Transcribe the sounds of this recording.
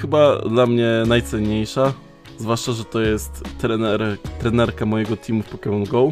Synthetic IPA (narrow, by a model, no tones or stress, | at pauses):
xɘbad̪lamɲɛnajt̪sɛɲːejʂa | zvwaʂt͡ʂaʐɛt̪ɔjɛst̪ːɾɛnɛɾɾɛnɛɾkamɔjɛɡɔt̪ʲʰimufpɔkɛmɔnɡɔw